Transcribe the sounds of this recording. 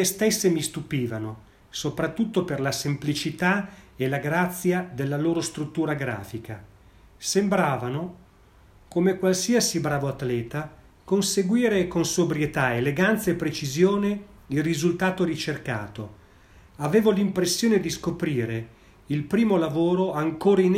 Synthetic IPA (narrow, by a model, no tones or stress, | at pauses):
est̪esːemist̪upiːvano | sopɾat̪ːut̪ːoperlasemplit͡ʃit̪aelaɡɾat̪sːjad̪elːaloːɾost̪ɾut̪ːuːɾaɡɾa̰ːfika | sembɾaːvano | komekwalsiasibɾaːvoat̪ːlɛːt̪a | konseɡwiːɾekonsobɾjet̪aeleɡant̪saepːɾet͡ʃizjoːneilrizult̪aːt̪oɾit͡ʃerka̰ːt̪o | aveːvolimpɾesːjoːned̪iskopɾiːɾe | ilpɾiːmolavoːɾoaŋkoːɾain